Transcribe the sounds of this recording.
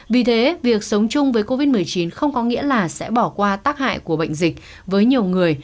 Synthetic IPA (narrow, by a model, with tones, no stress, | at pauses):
vi˨˩t̪ʰe˨˦vi˨˩ək̚sə˨˦wŋ͡mt͡ɕʊ˧ŋ͡mvəː˨˦jko˧vi˦˥t̚mɨ˨˩əjt͡ɕi˨˦nxə˧wŋ͡mkɔ˨˦ŋḭ˧˥əlaː˨˩sɛ̰˧˥ɓɔ˧˩kwaː˧t̪aː˦˥k̚ha̰ː˧˨jku˧˩əɓə̰˧˨jŋ̟zï˨˩k̟̚ | vəː˨˦jɲi˨˩əwŋɨ˨˩əj